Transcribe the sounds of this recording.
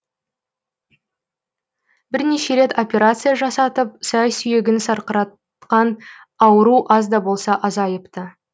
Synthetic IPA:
bɪɾne̞ʃe̞ɾe̞t̪o̞pʲe̞ɾat̪sɨjaʒɑsɑt̪əp̚sæjsʏje̞ɡʲɪnsɑɾqəɾɑt̪ | qɑn | ɑwəɾuʔɑzd̪ɑbo̞lˠsɑʔɑzɑjəpt̪ə

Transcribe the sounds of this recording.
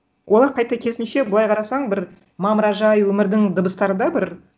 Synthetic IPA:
wo̞lˠɑɾqʰɑjt̪ɑkʲʰesɪnʃe̞bʊlˠɑjqʰɑɾɑsɑɴbɪɾ | mɑməɾɑʒɑjwɵmɪɾd̪ɪŋd̪əbəst̪ɑɾəd̪ɑbɪɾ

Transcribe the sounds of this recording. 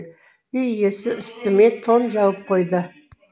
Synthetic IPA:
ʏjjesɪʏst̪ɪme̞t̪ʰo̞nʒɑwəp̚qʰo̞jd̪ə

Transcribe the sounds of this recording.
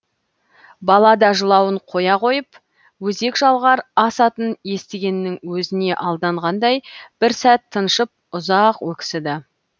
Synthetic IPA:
bɑlˠɑd̪ɑʒəlˠɑwəɴqʰo̞jɑqʰo̞jəp | wɵze̞kʒɑlˠʁɑɾɑsɑt̪ənje̞st̪eɡʲe̞nːɪŋwɵzɪne̞ʔɑlˠd̪ɑɴʁɑnd̪ɑjb̥ɪɾsæt̪ʰːənʃəp̚ʊzɑqwɵkʲɪ̥sɪd̪ɪ

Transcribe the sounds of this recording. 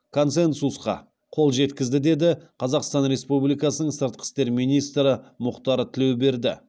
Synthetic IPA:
kʰo̞nse̞nsusqɑ̰ | qʰo̞lˠʒe̞t̪kʲɪzd̪ɪd̪e̞d̪ɪqʰɑzɑqst̪ɑnɾe̞spublijkɑsənəɴsəɾt̪̚qʰə̥st̪e̞ɾmijnijst̪ɾəmʊqt̪ɑɾət̪ʰɪle̞wbe̞ɾd̪ɪ̰

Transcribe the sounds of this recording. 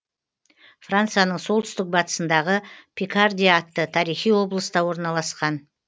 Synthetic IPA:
frant̪sɨjanəɴso̞lˠt̪ʰʏ̥st̪ɪk̚bɑt̪ə̥sənd̪ɑʁəpʰʲikard̪ʲiːt̪ːət̪ʰɑɾijχijwo̞blˠəst̪ɑwo̞ɾnɑlˠɑsqɑn

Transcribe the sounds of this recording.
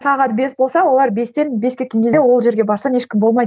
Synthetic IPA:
sɑʁɑt̪̚be̞sbo̞lˠsɑwolˠɑɾbe̞st̪e̞nbʲe̞skʲe̞t̪kʲe̞ŋkʰʲe̞zewo̞lˠʒe̞ɾɡʲe̞bɑɾsɑneʃkʲɪmbo̞lˠmɑj

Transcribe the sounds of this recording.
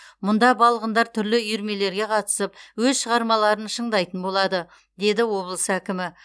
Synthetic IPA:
mʊnd̪ɑbɑlˠəʁənd̪ɑɾt̪ʰʏɾlɪʏjɾme̞le̞ɾɡʲe̞qʰɑt̪ə̥səp̚wɵzʃəʁɑɾmɑlˠɑɾənʃəɴd̪ɑjt̪ənbo̞lˠɑd̪ə | d̪e̞d̪ɪwo̞blˠəsəækʲɪmɪ

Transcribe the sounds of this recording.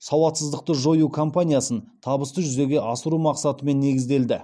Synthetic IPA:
sɑwɑt̪səzd̪əq̚t̪əʒo̞jukʰo̞mpanʲijasənt̪ʰɑbəst̪əʒʏzeɡʲe̞ʔɑsəɾumɑqsɑt̪əme̞nːe̞ɡʲɪzd̪e̞ld̪ɪ

